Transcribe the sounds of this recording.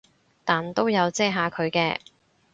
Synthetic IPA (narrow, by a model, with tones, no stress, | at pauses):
t̪aː˨˩nt̪o˥wjɐ˨˧wt͡sɛː˥˩ɦaː˨˧kʰɵ˨˧ɥkɛː˧